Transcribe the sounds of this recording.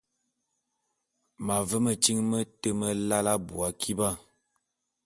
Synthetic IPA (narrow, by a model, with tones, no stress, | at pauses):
ma˨və˦mə˨t͡ʃi˦ŋmə˦tə˦mə˦la˦la˦bu˨a˨kʰi˦ba˦